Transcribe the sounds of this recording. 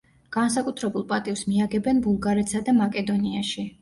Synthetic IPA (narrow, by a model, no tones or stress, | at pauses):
ɡ̥ansakʼut̪ʰɾɛbulˠpʼat̪ʼivsmiaɡɛbɛnbulˠɡaɾɛt̪sad̪amakʼɛd̪ɔniaʃi